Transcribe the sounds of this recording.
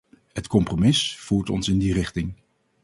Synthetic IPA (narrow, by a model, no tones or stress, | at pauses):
hətkɔmpromɪsfuːɹtɔ̰nsɪndirɪχtɪŋ